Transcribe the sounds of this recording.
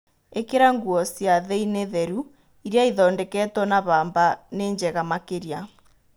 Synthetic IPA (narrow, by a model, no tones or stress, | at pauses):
ekeɾaŋɡuɔsjaðeineðɛɾu | iɾjaiðɔːndɛkɛtɔnaβaːmbaneːɲd͡ʒɛɣamakeɾja